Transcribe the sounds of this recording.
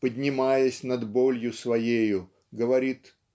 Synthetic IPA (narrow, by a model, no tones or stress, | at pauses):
pədʲnʲɪmajəsʲnɐd̪bolʲjʊsvɐjejʊ | ɡəvɐɾʲit̪